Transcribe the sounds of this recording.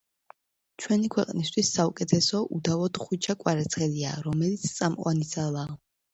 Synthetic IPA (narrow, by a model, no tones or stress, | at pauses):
t͡ʃʰwɛnikʰwɛqʼnist̪ʰwisːaukʼɛt̪ʰɛsɔʔud̪avɔd̪χit͡ʃʰakʼwaɾɛt̪sʰχɛlia̰ːɾɔmɛlit̪sʰt̪sʼamqʼwanid̪zalˠaː